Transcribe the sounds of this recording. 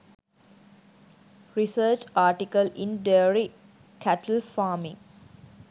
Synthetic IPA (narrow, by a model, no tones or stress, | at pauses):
ɾisəːt͡ʃaːʈikəlĩnɖeəɾi | kʰæʈəlfaːmḭ̃ŋ